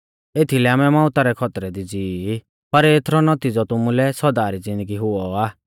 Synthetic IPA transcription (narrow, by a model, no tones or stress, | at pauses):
et̪ʰilɛamɛmãːʊt̪aɾɛkʰɔt̪ɾɛd̪id͡ziː | pɐɾet̪ʰɾɔnɔt̪id͡zɔt̪ʊmulɛsɔd̪aːɾid͡zɪ̃nd̪əɡiɦʊɔaː